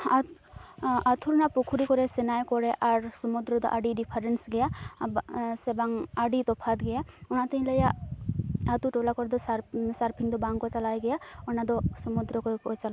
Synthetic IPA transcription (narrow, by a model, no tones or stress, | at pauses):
a | at̪ʰuɾnapukʰuɾikɔɾɛsenajkɔɾɛʔaɾsɔmud̪ɾɔd̪ɔ̰ʔaɖiɖipʰaɾensɡɛja | sebaŋaɖit̪ɔpʰat̪ɡɛjaɔnat̪iĩləja | at̪uʈolakɔɾd̪ɔsasaɾpʰiŋd̪ɔbaŋkɔt͡ʃalajɡejaɔnad̪ɔsɔmud̪ɾɔkɔkɔt͡ʃala